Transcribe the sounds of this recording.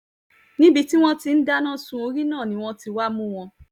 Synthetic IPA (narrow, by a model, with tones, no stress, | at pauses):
nĩ˦bi˧ti˦w̃ɔ̃˦ti˧n̩˦da˦nã˦sũ˧˦o˧ɾi˦nãː˦˨nĩ˨˦w̃ɔ̃˧ti˧wa˦mũ˦w̃ɔ̃˧